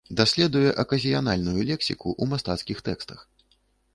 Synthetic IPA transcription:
d̪asʲlʲɛd̪ujɛʔɐkɐzʲijanalʲnujulʲɛksʲikuʔumast̪at̪skʲixt̪ɛkst̪ɐx

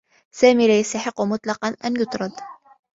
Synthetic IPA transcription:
sæːmilajast̪ɑħəqːʊmʊt̪ˤlɑqɑnʔanjʊt̪ɾˤɑd̪

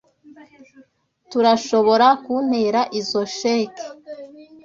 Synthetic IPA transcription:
tuɾaʃo̞βo̞ɾakun̥heɾaʔizo̞ʃeke̥

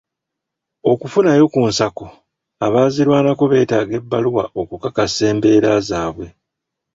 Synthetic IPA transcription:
o̞kufunajo̞kuːnsako | aβaːziɾwaːnako̞βe̞ːtaːɡe̞bːaluwa̰o̞kukakase̞ːmbe̞ːɾaːzaːβwe̞

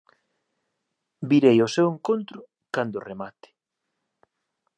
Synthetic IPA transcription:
biɾejʊseweŋkont̪ɾʊ | kand̪ʊremat̪ɪ̥

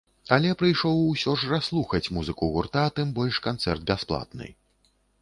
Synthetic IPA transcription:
alʲɛpɾɨjʂɔwːsʲɔʐraslˠuxɐt͡sʲmuzɨkuɣurt̪at̪ɨmbɔlʲʂkant̪sɛ̰rd̪̚bʲasplˠa̰t̪̚nɨ̰

